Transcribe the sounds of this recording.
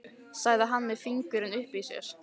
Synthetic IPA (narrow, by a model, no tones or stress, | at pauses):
saːɣðaɦanːmɛðfiŋkʏɾɪnʏhpisjɛ̰ɾ̥